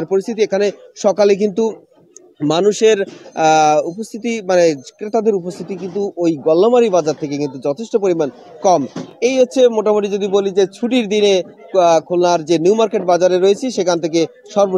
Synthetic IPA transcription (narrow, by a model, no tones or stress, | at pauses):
ɾpoɾist̪ʰit̪iekʰaneʃɔkalek̬int̪u | manuʃeɾ | upost̪ʰit̪imanekɾet̪ad̪eɾupost̪ʰit̪ik̬int̪̬uʔojɡɔlːomaɾibad͡ʑaɾt̪ʰekekint̪ud͡ʑɔt̪ʰeʃʈopoɾiman | kɔmejɦotːɕʰemoʈamoʈid͡ʑod̪ibolid͡ʑet͡ɕʰuʈ̬iɾd̪ine | kʰolnaɾd͡ʑeniuwmaɾkeʈ̚bad͡ʑaɾeɾoet͡ɕʰiʃekʰant̪ʰek̬e | ʃɔɾbo